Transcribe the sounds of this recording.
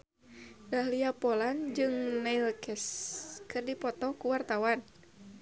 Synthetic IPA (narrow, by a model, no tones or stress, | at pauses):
dahliapɔland͡ʒɨŋnailkɛskɨrdipɔt̪ɔkuwart̪awan